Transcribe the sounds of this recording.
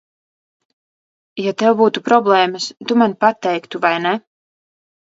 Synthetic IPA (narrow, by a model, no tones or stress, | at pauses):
jat̪ɛwbuːt̪upɾɔblˠɛːmɨst̪umanpat̪ːɛjkt̪uvajnɛ